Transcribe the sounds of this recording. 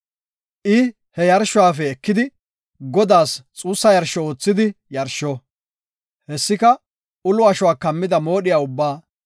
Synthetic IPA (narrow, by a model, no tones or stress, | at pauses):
ʔɪ | hɛjɐɾʃːʊwaːfɛɛkːɪd̪ɪ | ɡɔd̪aːst͡sʼuːsːɐjɐɾʃɔo̞ːt͡sːɪd̪ɪjɐɾʃɔ | hɛsːɪkɐ | ʊlʊɐʃʊwaːkɐmːɪd̪ɐmo̞ːɗɪjaːʊbːaː